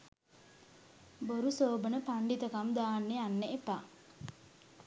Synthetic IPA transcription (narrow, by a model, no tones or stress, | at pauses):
boɾusoːbənəpaɳɖit̪əkamd̪aːnːeanːeʔepa